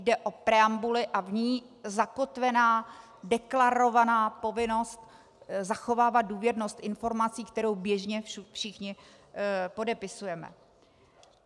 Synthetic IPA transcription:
dɛʔo̞pɾɛambulɪʔavɲiː | zako̞t̪vɛnaː | dɛklaɾo̞vanaːpo̞vɪno̞st̪ | zaxo̞vaːvad̪̚duːvjɛdno̞st̪ʔɪnfo̞ɾmat͡siːkt̪ɛɾowbjɛʒɲɛfʃɪxɲɪ | po̞dɛpɪsujɛmɛ̰

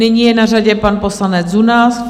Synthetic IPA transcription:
nɪɲijɛnaraɟɛpanpo̞slanɛt͡sd͡zunaːs

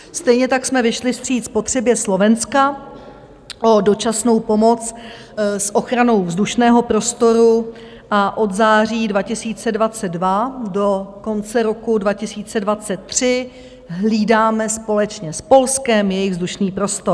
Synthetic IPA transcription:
st̪ɛjɲɛt̪aksmɛvɪʃlɪfst̪r̝̥iːt̪spo̞t̪r̥ɛbjɛslo̞vɛnska | ʔo̞do̞t͡ʃasno̞wpo̞mo̞t͡s | sʔo̞xɾano̞wvzduʃnɛːɦo̞pɾo̞st̪o̞ɾu | ʔaʔo̞d̪zaːr̝iːdvacɪsiːt͡sɛdvat͡sɛdvado̞ko̞nt͡sɛɾo̞kudvacɪsiːt͡sɛdvat͡sɛt̪ːr̝̥ɪ | ɦliːdaːmɛspo̞lɛt͡ʃɲɛspo̞lskɛmjɛjɪɣvzduʃniːpɾo̞st̪o̞

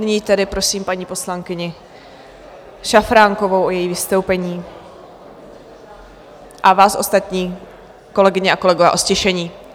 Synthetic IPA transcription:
nɪɲiːt̪ɛdɪpɾo̞siːmpaɲiːpo̞slaŋkɪɲɪ | ʃafɾaŋkovowʔojɛjiːvɪst̪owpɛɲiː | ʔavaːsʔo̞̰st̪at̪ɲiː | ko̞lɛɡɪɲɛakolɛɡo̞vɛːʔo̞scɛʃɛɲiː

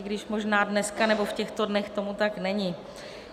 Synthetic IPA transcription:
ɪɡdɪʃmo̞ʒnaːdnɛskanɛbo̞fcɛxt̪o̞dnɛxt̪o̞mut̪aknɛɲɪ

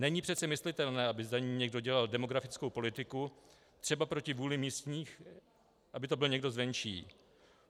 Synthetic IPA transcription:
nɛɲipr̝̥ɛt̪t͡sɛmɪslɪt̪ɛlnɛːʔabɪzaɲiːmɲɛɡdo̞ɟɛlaldɛmo̞ɡɾafɪt͡sko̞wpo̞lɪt̪ɪku | t̪r̝̥ɛbapɾo̞cɪvuːlɪmiːst̪ɲiːx | ʔabɪt̪o̞bɪlɲɛɡdo̞zvɛnʃiː

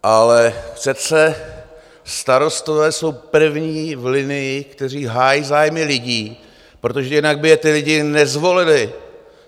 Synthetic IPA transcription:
ʔalɛsɛt̪sɛ | st̪aɾo̞st̪o̞vɛːso̞wpr̩vɲiːvlɪnɪjɪkt̪ɛr̝iːɦaːjiːzaːjmɪlɪɟiː | pɾo̞t̪o̞ʒɛjɪnaɡ̚bɪjɛt̪ɪlɪɟɪnɛzvo̞lɪlɪ

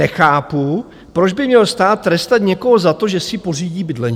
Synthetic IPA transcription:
ɛxaːpu | pɾod͡ʒbɪmɲɛlst̪aːt̪̚ːɾɛst̪at̪ɲɛko̞ɦozat̪oʒɛsɪpo̞riːɟiːbɪdlɛɲ

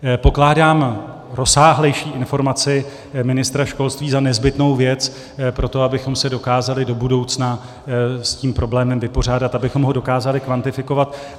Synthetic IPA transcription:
po̞klaːdaːm | ɾo̞saːɦlɛjʃiːʔɪnfo̞ɾmat͡sɪ | mɪnɪst̪ɾaʃko̞lst̪viːzanɛzbɪt̪no̞wvjɛt͡s | pɾo̞t̪o̞abɪxo̞msɛdo̞kaːzalɪdo̞budo̞wt͡sna | sciːmpɾo̞blɛːmɛmvɪpo̞r̝aːdat̪abɪxo̞mɦo̞do̞kaːzalɪkvant̪ɪfɪko̞vat̪

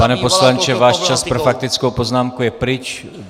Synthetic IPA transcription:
panɛpo̞slant͡ʃɛvaːʃt͡ʃaspɾofak̚t̪ɪt͡skowpo̞znaːmkujɛpɾɪt͡ʃ

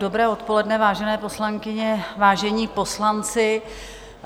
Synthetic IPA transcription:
obɾɛːo̞t̪po̞lɛdnɛvaːʒɛnɛːpo̞slaŋkɪɲɛvaːʒɛɲiːpo̞slant͡sɪ

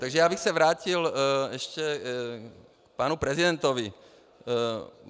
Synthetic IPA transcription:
t̪aɡʒɛjaːbixsɛvɾaːcilɛʃcɛ | kpaːnupɾɛzidɛnt̪ovi

